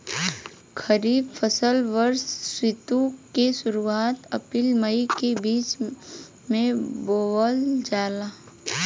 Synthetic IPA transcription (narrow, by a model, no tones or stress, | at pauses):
kʰəɾiːbfʰəsəlʋəɾsːwɪt̪ukesʊɾuaːt̪ɐpilmɐikebiːt͡ʃ | mẽboːwəld͡ʒaːla